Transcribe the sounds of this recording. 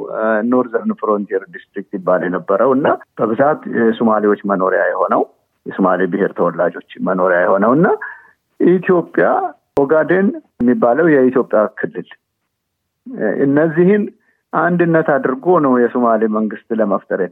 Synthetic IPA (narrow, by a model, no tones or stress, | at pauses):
noɾzəɾnfɾont̪ʰieɾd̪ist̪ɾik̚t̪jɪbːaljɛnəbːəɾəwɨnːab̥əβɨzat̪sumaliwo̞t͡ʃːməno̞ɾeja̰jɛho̞nəw | jɛsumalibɨheɾt̪ʰəwɔlːad͡ʒo̞t͡ʃːməno̞ɾjajɛho̞nəwɨnːa | ʔit̪ʰjo̞pʼːja | ɔɡad̪enjɛmːibːaləwjɛit̪ʰjo̞pʼːjakʰɨlːɨl | ʔɨ̰nːəzːihɪn | ʔand̪ɨnːət̪ʰad̪ɨɾɡo̞nəwjɛsumaliməŋɡɨst̪ləməft̪ʰəɾet̪